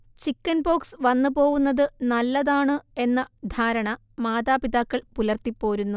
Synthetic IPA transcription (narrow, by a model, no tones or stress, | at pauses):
t͡ɕikːɐnbo̞ːksʋɐnːɨpo̞ːɣunːɐðɨnɐlːɐðaːɳɨe̞nːɐd̪ʱaːɾɐɳɐ | maːðaːpiðaːkːɐɭpulɐrt̪ipːo̞ːɾunːu